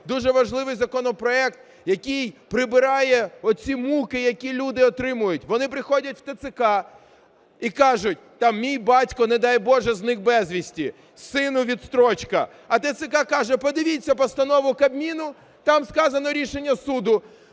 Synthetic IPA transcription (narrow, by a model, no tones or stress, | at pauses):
d̪uʒɛʋɐʒlˠɪʋɪjzɐkɔnɔpɾɔɛkt̪ | jɐkʲijpɾɪbɪɾɑjɛɔt̪̚t͡sʲimukɪjɐkʲilʲud̪ɪɔt̪ɾɪmʊjʊtʲʋɔnɪpɾɪxɔdʲɐtʲw̥t̪et̪sɪkɑ | ikɑʒʊt̚ʲt̪ɑmmʲijbɑtʲkɔned̪ɑjbɔʒɛznɪxbɛzʲʋʲisʲtʲi | sɪnʊʋʲid̪st̪ɾɔt͡ʃkɐ | ɐt̪ɐt̪sɪkɑkɑʒɛpɔd̪ɪʋʲit͡sʲːɐpɔst̪ɐnɔʋʊkɐbmʲinʊ | t̪ɑmskɑzɐnɔɾʲiʃenʲːɐsud̪ʊ